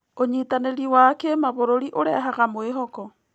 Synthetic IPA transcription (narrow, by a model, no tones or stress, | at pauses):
oɲitaneɾiwakemaβoɾoɾiʔoɾɛɦaɣamoeɦɔkɔ